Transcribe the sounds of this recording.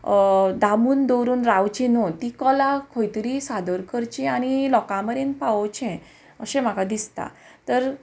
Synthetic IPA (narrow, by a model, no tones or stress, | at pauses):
d̪amuːnd̪owɾuːnɾaʋt͡ɕinɔt̪ikɔlakʰojt̪ɾisad̪əɾkʰəɾt͡ɕĩañilɔkãməɾẽnpaʋɔt͡ɕɛ̃ | əsẽm̤akad̪ist̪a̰ | t̪əɾ